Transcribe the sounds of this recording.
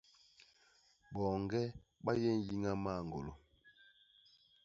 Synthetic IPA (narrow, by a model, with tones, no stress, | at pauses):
bɔː˨ŋɡɛ˦ba˦jɛ˦n̩˦ji˦ŋa˦ma˦˨ŋ˨ɡo̰˨lo˨